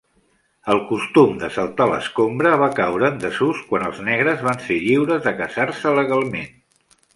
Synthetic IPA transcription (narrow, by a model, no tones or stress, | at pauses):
əlˠkust̪umd̪əsəlˠt̪alə̰skombɾəβ̞akawɾəːnd̪əzuskwanəlˠznɛɣɾəzβanseʎiwɾəzðəkəzaɾsələɣalˠmḛn